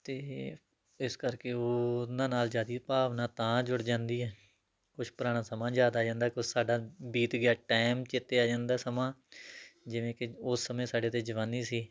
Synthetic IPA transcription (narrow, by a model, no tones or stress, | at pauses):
t̪eː | ɪskəɾkeːoːnãːnaːld͡ʒaːd̪iːpaːʋnãːt̪ãːd͡ʒʊɽd͡ʒãːnd̪iːɛː | kʊt͡ʃʰpɾaːɽ̃ãːsəmãːd͡ʒjaːd̪aːd͡ʒãːnd̪aːkʊsaːɖaːbiːt̪ɡɪaːʈaːmt͡ʃɪt̪eːaːd͡ʒãːnd̪aːsəmãː | d͡ʒɪʋẽːkɪʊsːəmẽːsaːɖeːt̪eːd͡ʒəʋãːniːsiː